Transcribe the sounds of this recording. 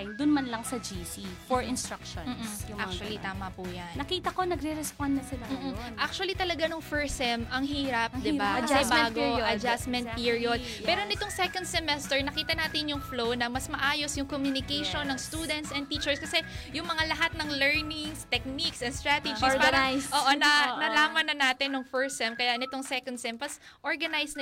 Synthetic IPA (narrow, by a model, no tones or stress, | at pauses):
d̪ʊnmɐnlɐŋsɐd͡ʒisifoɹɪnst̪ɾakʃomːsjʊʔak̚t͡ʃuɐlit̪aːmɐpujannɐkiːt̪ɐkonɐɡɾɛɾɛspand̪nɐsɪlam̩ːʔ̩ʔak̚t͡ʃʊɐlit̪ɐlɐɡanoŋfɛɹsɛmʔɐŋɦiːɾɐp̚d̪ɪbakkɐɛbaɡoʔɐd͡ʒasmɛnt̪̚piɹiod̪ | pɛːɾo̞nɪt̪oŋsɛkond̪̚sɛmɛst̪ɛɹnɐkiːt̪ɐnaːt̪ɪnjʊŋflownɐmɐsmɐʔaːjo̞sjʊŋkomjunɪkɛjʃo̞nːɐŋst̪uːd̪ɛnt̪sɛnt̪iːt͡ʃɛɹskɐsɛjʊŋmɐŋalɐɦat̪̚nɐŋlɛɹnɪŋst̪ɛk̚niksɐnst̪ɹat̪ɛd͡ʒiɡpaːɾɐjsʔoːʔonɐnɐlaːmɐnːɐnaːt̪ɪnːʊŋfɛɹsɛmkɐjanɪt̪oŋsɛkond̪sɛmpɐs | ʔoɹɡɐnajsnɐ